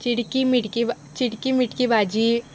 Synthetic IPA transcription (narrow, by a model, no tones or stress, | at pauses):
t͡ʃɪɽkimɪʈkib | t͡ʃɪɽkimɪʈkibaːd͡ʒi